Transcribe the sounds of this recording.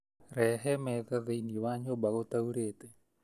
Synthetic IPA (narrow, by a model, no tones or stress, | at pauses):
ɾɛɦɛmɛðaðeiniewaɲobaɣot̪auɾeːte